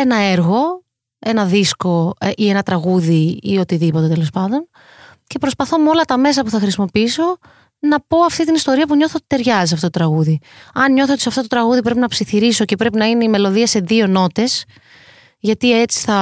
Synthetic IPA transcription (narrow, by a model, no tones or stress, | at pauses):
enɐe̞ɾɣo̞ | e̞nɐðisko̞ʔie̞nɐt̪ɾɐɣuðiio̞t̪iðipo̞t̪e̞t̪elo̞spɐnd̪o̞n | ce̞pɾo̞spɐθo̞meo̞lɐt̪ɐme̞sɐpuθɐxɾisimo̞piiso̞ | nɐpo̞ɐft̪it̪inist̪o̞ɾiɐpuɲo̞θot̪i̥t̪e̞ɾʝɐzisɐft̪ot̪ot̪ɾɐɣuðiɐnɲo̞θot̪isɐft̪o̞t̪ot̪ɾɐɣuðipɾe̞pinɐpsiθiɾiso̞ce̞pɾe̞pinɐine̞ime̞lo̞ðiɐse̞ðio̞no̞t̪e̞s | ʝɐt̪ie̞t͡si̥θɐ